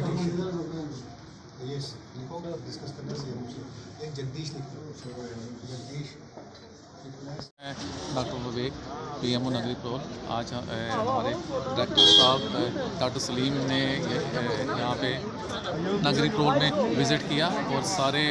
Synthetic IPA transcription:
i | jɛskõdɪskəskəɾnasimed͡ʒəɡd̪iːʃlɪkʰ | d͡ʒəd̪iːʃ | ɛ̃ːɖaːk̚ʈəɾʋəʋeːkpiːeːmoːnəɡɾipɾoːla̰ːd͡ʒɦəmaːɾeɾɛːk̚ʈəɾsaːbkaʈəsəliːmne | jɐɦãːpe | nəɡɾiːpɾoːlmẽʋɪzɪʈkɪjaːɔːɾsaːɾe

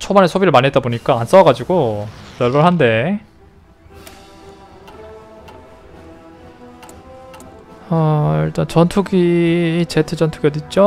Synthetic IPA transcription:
t͡ɕʰobanesʰobiɾɯɭmanɦe̞t͈̚aboɲik͈aːns͈ʌɡad͡ʑiɡojʌɭbʌɭɦande̞ | ʌjʌɭt͈ant͡ɕʌntʰuɡit͡ɕetʰɯd͡ʑʌntʰuɡiʌdit̚t͡ɕ͈o

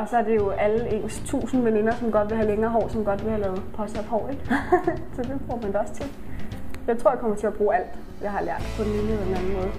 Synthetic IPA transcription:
ɒ̽sɒ̽æɐd̥e̝jo̝ʔæləe̝̰ːnst͡sʰṵːsn̩ʋene̝nɐsɒ̽mɡ̥ɒ̽d̥ʋe̝ɦæleŋɐːɦɒ̰ʊːsɒ̽mɡ̥ɒ̽d̥ʋe̝hælɛːð̩ˠpʰɒ̽sæfhɒ̰ːeɡ̥sɒd̥e̝b̥ʁuɐmænd̥eɒ̽st͡sʰe̝l | jɑ̈ɪt͡sʰʁo̝ɐ̰jɑ̈kʰɒ̽mɐt͡sʰe̝læb̥ʁuːæl̰d̥ | jɑ̈ɪhɑ̈læɐ̰d̥pʰɒ̽d̥enliːne̥e̝næn̩mɔ̽ːð̞̩ˠ

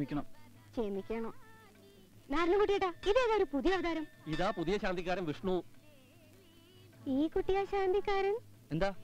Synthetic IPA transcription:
mikʲːɐɳɐm | t͡ɕemikʲːɐɳɐ | naːɾnɐŋkuʈːijeʈːaːiðekːaoɾupuðijɐʋɐd̪ʱaːɾɐmiðaːpuðijɐɕaːnd̪ikːaːɾɐmʋiʂɳu | iːkuʈːijaɕaːnd̪ikːaːɾɐm | end̪aː

